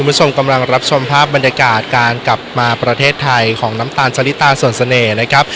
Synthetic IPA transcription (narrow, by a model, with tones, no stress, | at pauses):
u˧nbu˦˥t͡ɕʰo˧mka˧mla˧ŋɾa˦˥p̚t͡ɕʰo˧mpʰaː˥˩p̚ba˧njaː˧kaː˨˩t̪̚kaː˧nkla˨˩p̚maː˧pɾa˧t̪ʰeː˥˩t̪ʰːa˧jkʰɔː˩˦ŋna˦˥mt̪aː˧nt͡ɕʰa˧li˦˥t̪ːaː˧su˨˩ənsa˧nɤː˨˩na˦˥kʰɾa˦˥p̚